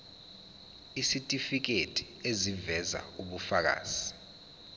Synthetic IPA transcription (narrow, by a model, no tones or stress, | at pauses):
isitʼifik̬etʼi̥ | ezivɛza̰uɓufak̬a̰ːz̥i